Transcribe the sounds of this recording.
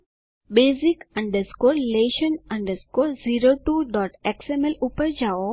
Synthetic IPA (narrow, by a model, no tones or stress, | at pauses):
beːzikɐ̃ɳɖəskoːɾleːʃənɐ̃ɳɖəskoːɾziɾoʈuɖɔːʈeksemelupəɾd͡ʒao